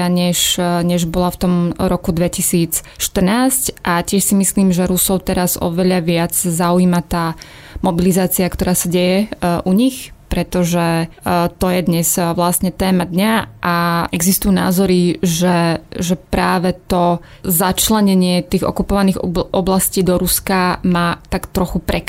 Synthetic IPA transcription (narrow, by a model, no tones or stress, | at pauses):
aɲɛʃɲɛʒbɔlaft̪ɔmɾɔkud̪ʋɛcisiːt͡sʃt̪r̩naːscʔacɪɛʃsimisliːmʒɛɾusɔʊt̪ɛɾazɔ̰ʋɛʎaʋɪad͡zzauiːmat̪aː | mɔbilizaːt͡siakt̪ɔɾaːsaɟɛjɛʔuɲixpɾɛt̪ɔʒɛ | t̪ɔjɛd̪ɲɛz̥ʋlasɲɛt̪ɛːmad̪ɲaʔaɛɡzist̪ujuːna̰ːzɔɾiʒɛʒɛpɾaːʋɛt̪ɔ | zat͡ʃlɛɲɛɲɪɛt̪iːɣɔ̰kupɔʋaniːɣʔɔblasciːd̪ɔɾuskamaːt̪akt̪ɾɔxupɾɛk